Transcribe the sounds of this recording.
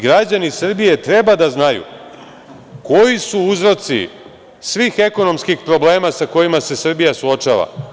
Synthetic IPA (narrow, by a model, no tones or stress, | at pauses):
ɡɾad͡ʑanisr̩bije̞t̪ɾe̞bad̪aznajṵ | ko̞jisuuzɾo̞t̪sḭ | sʋiːxe̞ko̞no̞mskixpɾo̞ble̞ːmasako̞jimase̞sr̩bijasuo̞t͡ʃaːʋa̰